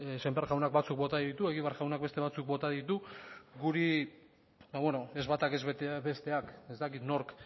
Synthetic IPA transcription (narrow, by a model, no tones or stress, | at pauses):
sembeɾɣawnakbat͡suk̚bo̞t̪aðit̪ue̞ɣ̞iβeaɾʝawnak̚be̞st̪e̞βat͡suk̚bo̞t̪aðit̪uɡuɾi | baβwenoe̞zβat̪ake̞zβet̪βe̞st̪e̞ake̞st̪akit̪no̞ɾk